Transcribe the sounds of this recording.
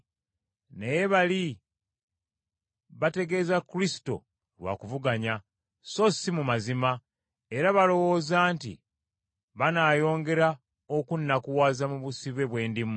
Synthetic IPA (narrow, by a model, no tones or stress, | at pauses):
nejeβali | βate̞ɡe̞zakːɾisi̥to̞̰ | lwa̰kuvuɡaɲa | so̞simumazima | e̞ɾaβalo̞wo̞ːzaːntḭ | βanaːjo̞ːŋɡe̞ɾa | okunːakuwaːzamuβusiβe̞βwe̞ːndim